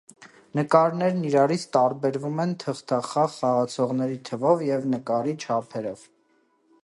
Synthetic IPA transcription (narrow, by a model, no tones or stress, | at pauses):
nəkɑɾnɛɾniɾɑɾit͡sʰt̪ɑɾbɛɾvumɛnt̪ʰəχt̪ʰɑχɑʁχɑʁɑt͡sʰɔʁnɛɾit̪ʰəvɔvjɛvnəkɑɾit͡ʃʰɑpʰɛɾɔv̥